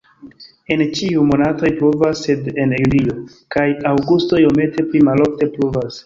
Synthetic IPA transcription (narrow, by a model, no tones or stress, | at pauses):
e̞nt͡ʃiumo̞nato̞jpɾovasːe̞de̞njulio̞ | kajawɡusto̞jome̞te̞plimalo̞fte̞pɾovas